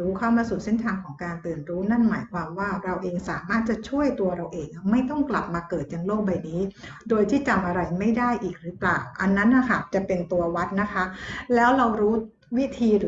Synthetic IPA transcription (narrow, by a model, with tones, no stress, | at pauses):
uː˦˥kʰaː˥˩maː˧suː˨˩se˥˩nt̪ʰaː˧ŋkʰɔː˩˦ŋkaː˧nt̪ɯː˨˩nɾuː˦˥na˥˩nmaː˩˦jkʰwaː˧mwaː˥˩ɾa˧wʔeː˧ŋsaː˩˦maː˥˩t̪̚t͡ɕa˨˩t͡ɕʰu˥˩əjt̪u˧ɐɾa˧wʔeː˧ŋʔa˨˩ma˥˩jt̪ɔ˥˩ŋkla˨˩p̚maː˧kɤː˨˩t̪̚ja˧ŋloː˥˩k̚ba˧jniː˦˥ | doː˧jt̪ʰiː˥˩t͡ɕa˨˩mʔa˧ɾa˧jma˥˩jda˥˩jʔiː˨˩k̚ɾɯː˦˥klaː˨˩wʔa˧nːa˦˥nʔa˨˩kʰa˥˩t͡ɕa˨˩pe˧nt̪u˧ɐwa˦˥t̪̚na˦˥kʰa˦˥lɛː˦˥wɾa˧wɾuː˦˥ | wi˦˥t̪ʰiː˧ɾɯ˩˦